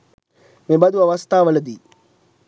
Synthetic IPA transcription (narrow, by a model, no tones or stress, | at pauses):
mebɐd̪uʋɐʋɐst̪aːʋɐlɐd̪i